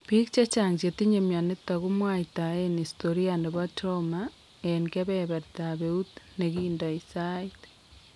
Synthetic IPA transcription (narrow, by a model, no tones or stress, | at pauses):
pikt͡ʃet͡ʃaɲd͡ʒetiɲemjanetaɣumwaitaenistoɾiandeβwatʰoma | eŋkeβɛβaɾitaβeutneɣiːndaisait